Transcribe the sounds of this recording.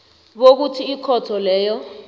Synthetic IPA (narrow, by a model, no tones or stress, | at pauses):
ɓok̬utʰiːkʰɔtʰɔlɛːjɔ